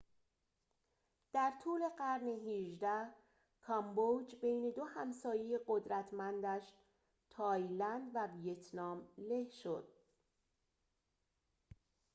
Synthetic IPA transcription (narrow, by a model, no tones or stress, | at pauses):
d̪̥æɾt̪ʰuːle̞ɢæɾneɦiʒd̪æh | kʰɒmbod͡ʒbejne̞d̪ohæmsɒːjejeɢo̞d̪ɾæt̪ʰmænd̪æʃ | t̪ʰɒːjlænd̪vævijet̪ʰnɒːmle̞hʃo̞d̪̥